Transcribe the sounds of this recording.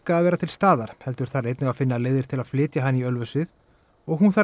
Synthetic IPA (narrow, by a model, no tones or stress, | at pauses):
kaːðvɛːɾat̪ʰɪlst̪aːðaɾ̥hɛl̪t̪ʏɾ̥θaɾejt̪nɪɣaðfɪnːaleːjðɪɾ̥t̪ʰɪlaðflɪːt̪jaɦanːiœlvʏsɪð | ɔɣhunθa